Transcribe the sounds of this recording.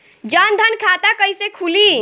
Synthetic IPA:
d͡ʒənd̪ʱənkʰat̪akəjsekʰuli

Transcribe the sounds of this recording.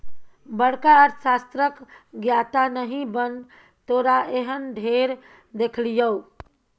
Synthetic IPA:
bəɽ̤kaəɾsast̪ɾəkɡjat̪anəɦĩbən | t̪oɾaeɦənɖʱeɾ | d̪ekʰlijəw

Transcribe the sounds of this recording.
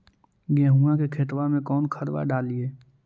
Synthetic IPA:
ɡɛ̃ːɦuakekʰet̪ʋamẽkɔːnkʰəɾʋa̰ɖaːlieː

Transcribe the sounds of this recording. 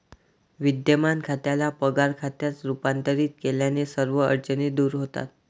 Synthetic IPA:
ʋid̪jəmankʰat̪jalapəɡaɾkʰat̪jat͡sɾupant̪əɾiːt̪̚keljanesəɾʋəə̰ɾd͡ʑənid̪uːɾɦot̪a̰t̪̚

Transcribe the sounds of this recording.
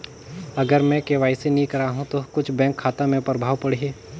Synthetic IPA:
ɐɡəɾmɛ̃keːʋaːisenĩkɐɾaːɦũt̪okʊt͡ʃʰbɛ̃ːŋkʰːaːt̪amẽpɾəbʱaːwpɐɽ̤iɦeː

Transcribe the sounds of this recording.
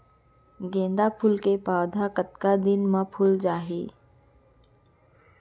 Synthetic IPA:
ɡẽːnd̪apʰʊlkepaːʋd̪ʱakət̪kad̪ɪnmãpʰʊld͡ʒaːɦeː

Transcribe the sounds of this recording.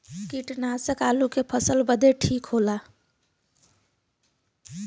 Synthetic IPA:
kiʈnasəkalukepʰəsəlbəd̪eʈʰikɦola

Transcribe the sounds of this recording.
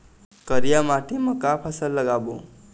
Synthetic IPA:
kəɾijamaʈiməkapʰasəlːəɡabo

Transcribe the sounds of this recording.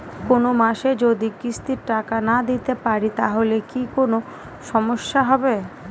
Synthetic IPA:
konomaʃed͡ʑod̪ikɾist̪iɾʈakanad̪it̪epaɾit̪aɦolekikono | ʃɔmoʃːaɦɔbe

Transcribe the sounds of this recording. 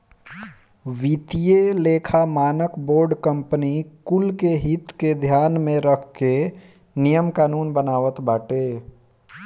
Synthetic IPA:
ʋit̪ijeleːkʰamaːnəkboːɾɖkə̃mpənikʊlkeɦɪt̪ked̪ʱjaːnmẽɾəkʰke | nijəmkaːnuːnbənaːʋət̪baːʈeː

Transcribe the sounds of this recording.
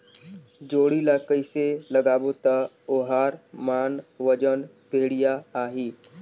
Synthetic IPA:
d͡ʒoːɽiləːkəiseləɡaːbot̪a | oːɦaːɾmaːnʋəd͡ʒən | bʱeːɽijaaːɦiː

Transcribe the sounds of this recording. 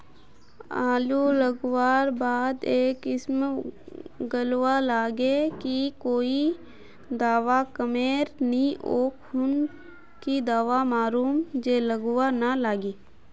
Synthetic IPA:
aːluləɡwaːɾbaːd̪eːkɪsm | ɡəlwalaːɡekikoːi | d̪aːʋakəmeːɾniʔoːkʰʊn | kid̪aːʋamaːɾuːmd͡ʒeːləɡwanalaːɡiː

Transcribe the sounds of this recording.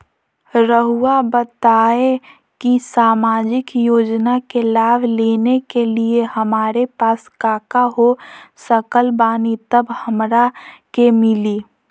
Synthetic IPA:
ɾəɦuabət̪aːe | kisaːmaːd͡ʒɪkjoːd͡ʒnakelaːbleːnekeliehəmaːɾepaːskaːkaɦosəkəlbaːnit̪əbhəmɾakemɪliː

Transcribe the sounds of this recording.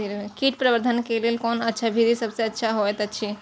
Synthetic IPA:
iɾẽkiːʈpɾɐʋəɾd̪ʱənkeliəlkɔːnɐtːʃʰabʱid̪isɐbseɐtːʃʰaɦoet̪oɐtːʃʰi

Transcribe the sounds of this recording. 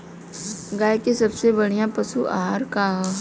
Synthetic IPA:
ɡaːjkesɐbsebɐɽ̤ijãpɐsuʔa̰ːɦaːɾkaːɦ

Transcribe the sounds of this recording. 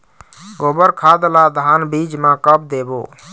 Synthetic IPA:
ɡobəɾkʰad̪lad̪ʱanbid͡ʒmãkəp̚d̪ebo̰

